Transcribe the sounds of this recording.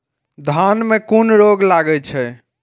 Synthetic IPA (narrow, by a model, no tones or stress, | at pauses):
d̪ʱanmekunɾoɡlaɡɛt͡ʃʰɛ